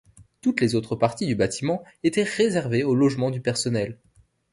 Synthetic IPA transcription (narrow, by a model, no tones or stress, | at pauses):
t̪ut̪lezot̪χəpaʁt̪id̪ybat̪imɑ̃ | et̪ɛʁezɛʁveolɔʒmɑ̃d̪ypɛʁsɔnɛl